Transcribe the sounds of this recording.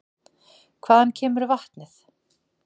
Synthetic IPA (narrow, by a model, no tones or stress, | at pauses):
kʰvaːðancʰɛːmʏɾvaht̪nɪθ